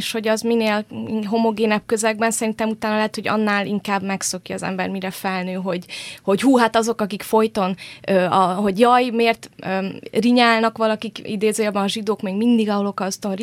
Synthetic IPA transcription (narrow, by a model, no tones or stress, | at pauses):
ʃho̞ɟɒzmineːlɦo̞mo̞ɡeːnɛp̚køzɛɡ̚bɛnsɛɾint̪ɛmut̪aːnɒlɛɦɛt̪ho̞ɟɒ̰nːaːlḭŋkaːbmɛkso̞kiɒ̰zɛ̰mbɛ̰rmiɾɛfɛlnøːɦo̞ɟho̞ɟɦuːɦat̪ɒzo̞kɒkikfo̞jt̪o̞nøːɒɦo̞ɟjɒjmeːrt̪øriɲaːlnɒkʋɒlɒkikḭd̪eːzøːjɒbɒnɒʒid̪oːkmeːɡmind̪iɡɒɦolo̞kɒst̪onri